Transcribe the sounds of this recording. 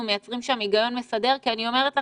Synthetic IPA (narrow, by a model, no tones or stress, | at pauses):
ume̞jat͡sʁimʃamiɡajo̞nmesade̞ʁkianio̞me̞ʁet̪la